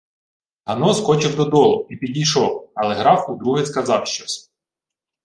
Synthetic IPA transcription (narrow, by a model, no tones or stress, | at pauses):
ɦɐnɔskɔt͡ʃɪwd̪ɔd̪ɔlˠʊipʲidʲijʃɔwɐlˠɛɦɾɑfud̪ɾuɦɪskɐzɑwʃt͡ʃɔsʲ